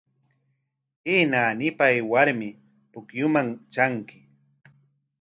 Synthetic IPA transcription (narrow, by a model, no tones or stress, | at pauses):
inaːnɪpajwaɾmɪ | pʊkjʊmaŋt͡ʃaŋkɪ̥